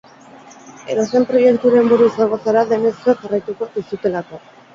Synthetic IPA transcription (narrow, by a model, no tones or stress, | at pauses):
e̞̰ɾo̞se̞mpɾo̞je̞kt̪uɾe̞mbuɾuisaŋɡo̞saɾaðe̞me̞sioʝarajt̪uko̞ðisut̪e̞lako̞